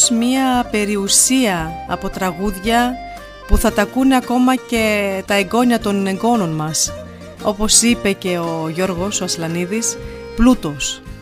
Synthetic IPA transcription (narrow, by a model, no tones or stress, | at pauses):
smɲiɐpe̞ɾiusiɐ̰ːpo̞t̪ɾɐɣuðʝɐ | puθɐt̪ɐkuneɐko̞mɐce̞t̪ɐeɡo̞ɲɐt̪o̞ne̞ŋɡo̞no̞nmɐs | o̞po̞sipe̞ce̞oʝo̞ɾɣo̞so̞ɐslɐniðis | plut̪o̞s